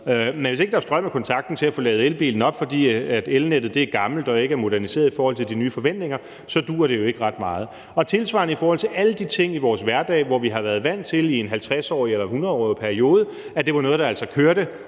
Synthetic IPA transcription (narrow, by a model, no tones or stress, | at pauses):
menʋese̝ɡ̥d̥ɑ̈sd̥ʁɶmækʰɒ̽nt͡sʰɑ̈ɡ̥̚d̥n̩t͡sʰe̝æfo̽lɛ̰ːð̞̩ˠelb̥ḭːln̩ɒ̽b̥fɒ̽d̥ḭːæd̥elned̥ð̩ˠd̥e̝æɐɡ̥ɑ̈ml̩d̥ɒ̽e̝ɡ̥əæɐmo̝d̥æɐnise̝̰ɐðˠifɒːhɒ̽l̰t͡sʰe̝ld̥inyːfɒ̽ʋen̰d̥ne̝ŋɐ | sɒ̽d̥ṵːɐɾ̥e̝jo̝e̝ɡ̥əʁɑ̈d̥mɑ̈ːð̞̩ˠ | ɒ̽t͡sʰe̝lsʋɑ̰̈nəifɒːhɒl̰t͡sʰe̝læləd̥it͡sʰe̝ŋ̰iʋɒːsʋæɐd̥ɛ̰ːʋɒʋiɦɑʋæːɐðˠʋæn̰t͡sʰe̝lienɦælt͡sʰʁɛsɒ̰ːielɐhunɐðˠɒ̰ːpʰæɐio̝ːð̞ˠə | æd̥e̝ʋɑ̈nɔ̽ːð̞̩ˠdɑ̈ælsɒkʰøɐɾ̥ə